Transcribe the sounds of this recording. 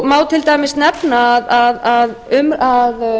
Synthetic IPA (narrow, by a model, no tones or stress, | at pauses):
maːwt̪ʰɪlt̪aːjmɪsnɛpnaːðaðaðʏmað